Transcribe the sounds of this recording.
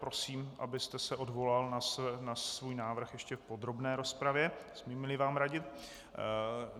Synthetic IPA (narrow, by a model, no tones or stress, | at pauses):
pɾo̞siːmʔabɪst̪ɛsɛʔo̞dvo̞lalnasnasvuːjnaːvr̩xjɛʃcɛfpo̞d̪ɾo̞bnɛːɾo̞spɾavjɛsmimɪlɪvaːmɾaɟɪt̪